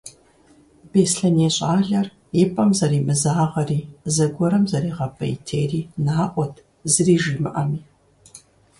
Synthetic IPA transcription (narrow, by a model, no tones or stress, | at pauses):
beːsɬɐneːɕʼaːɮɐr | ipʼɐmzɐɾiːmɨzaːʁɐriːzɐɡʷɔɾɐmzɐɾiːʁɐpʰʼɐ̰j̰tʰeːriːnaːʔʷɔtʰ | zɨriːʒiːmɨʔɐmiː